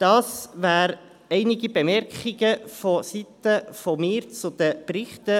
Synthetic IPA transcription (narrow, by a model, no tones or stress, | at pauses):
d̥ɑːsʋæːɾ | ɛɪniɡibemɛɾkχiɡəfɔsit̪əfɔmɪːɾt͡sʊd̪̥əpɾɪχt̪ə